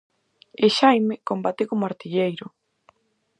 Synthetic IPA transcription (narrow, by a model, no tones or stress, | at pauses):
eʃajmekombat̪ekomoaɾt̪iʎejɾʊ